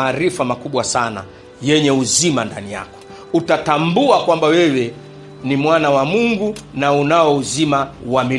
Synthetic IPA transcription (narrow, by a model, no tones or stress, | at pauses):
ɾifamakuɓwasana̰ | jɛɲɛuzimanda̰nija̰kɔ̥ | utatambuakwambawɛwɛ | nimwanawamuŋɡunaunaɔuzimawami